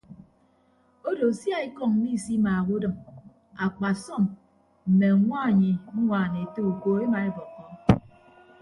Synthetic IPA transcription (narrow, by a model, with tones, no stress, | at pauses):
o˦do˨sja˦e˦kɔ˦ŋ˦ni˦˨si˦maː˨ɣu˦dɨ˨m | a˨k͡pa˨sɔ˦˨m | m̩˨me˨ŋʷa˦˨ɲi˨ŋ̩˦ŋʷaː˨ne˨e˨te˦u˨koː˨˦e˦ma˨e˦bɔ˨kːɔ˨˦